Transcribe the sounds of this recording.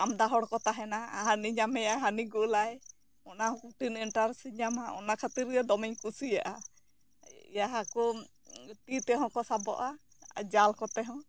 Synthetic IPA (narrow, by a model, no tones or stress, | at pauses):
amd̪aɦɔɽkɔt̪aɦɛnaa̰ɦaniɲamɛjaɦaniɡuʔlaɛ | ɔnahɔ̃kuʈiniɳʈaɾsiɲamaɔ̰nakʰat̪iɾad̪ɔmɛɲkusijaʔa | jaɦaku | ʈit̪ɛɦɔ̃kɔsabɔ̰ʔa | d͡ʒalkɔt̪ɛɦɔ̃